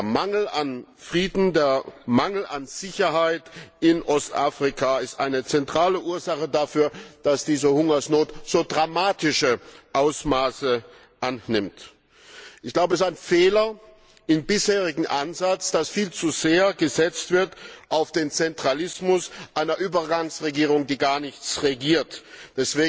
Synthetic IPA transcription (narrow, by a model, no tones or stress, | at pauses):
eːɐmaŋl̩anfʁ̥iːdn̩deːɐmaŋl̩anz̥ɪçɐɦaɪtʔɪnʔɔstʔa̰ːfʁ̥ɪkʰaɪstʔa̰ɪnət͡sɛntʁ̥aːləʔuːɐzaχədafyːɐd̥asd̥iːzəhʊŋɐsnoːtz̥oːdʁamaːtʰɪʃəʔaʊsmaːsə | ʔanːɪmt | ʔɪçɡ̥l̥aʊbəstaɪnfeːlɐ | ʔɪmbɪsheːʁ̞ɪɡŋ̩ʔanzat͡sd̥asfiːlt͡suzeːɐɡəzɛt͡stv̥ɪɐtʔaʊfd̥eːnt͡sɛntʁ̥alɪsmʊsʔaɪnɐʔyːbɐɡaŋsʁeɡiːʁ̞ʊŋdiːɡaːɐnɪçt͡sʁeɡiːɐtd̥ɛsv̥eːɡ